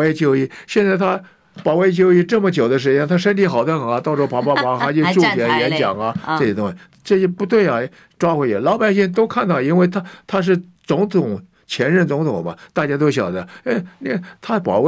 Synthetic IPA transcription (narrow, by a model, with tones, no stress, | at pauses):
we˥˧ɪt͡ɕjo˥ʊi˥˩ɕjɛ˥˧nt͡sɪt̪ʰa˥ | pɑ˨˩ʊwe˥˧ɪt͡ɕjo˥ʊi˥˧ʈ͡ʂɤ˥˩mə˨˩t͡ɕjo˨˩ʊd̪ə˦ʂ̬ɻ̩˧˥jɛ˥nt̪ʰa˥ʂə˥nt̪ʰi˧˥xɑ˨˩ʊd̪a˥˩xɑ˨˩˦t̪ɑ˥˧ʊʈ͡ʂʰɔ˥˩pʰa˧˥pa˥˩pa˧˥xa˧˥t͡ɕi˥˧ʈ͡ʂu˥˩t̪jɛ˧˥˩njɛ˧˥nt͡ɕjɑ̰˨˩ŋɐ˧ʈ͡ʂɤ˥˩ɕɛ˨˩t̪ʊ˥ŋɕi˧˩ | ʈ͡ʂɤ˥˩ɕɛ˥pu˧˥t̪we˥˩ɪɐ˩ | ʈ͡ʂwa˥xwe˧˥ɪɛ˨˩lɑ˧˥ʊpa˨˩ɪɕi˥˩ŋt̪̬o˥ʊkʰa˥˧nt̪ɑ˥˩ʊi˥nwe˥˩ɪt̪ʰa˥t̪ʰa˥ʂ̬ɻ̩˥˩ | t͡sʊ˧˥ŋt̪ʰʊ˨˩˦ŋ | t͡ɕʰjɛ˧˥nɻə˥˩nt͡sʊ˧˥ŋt̪ʰʊ˨˩ŋbɐ̰˦t̪a˥˩t͡ɕja˥t̪̬o˥ʊɕ̬jɑ̰˨˩ʊd̪ə˦e˥ni˥t̪ʰa˥pɑ̰˨˩ʊw